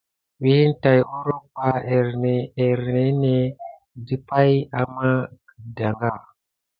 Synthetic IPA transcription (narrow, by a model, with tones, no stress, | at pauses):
wi˦n˦ta˨jo˦ɾo˦pa˦e˨ɾne˨e˨ɾne˨˦ne˨ | di˦pa˦ja˨ma˦kə˨da˨ŋɡa˦˨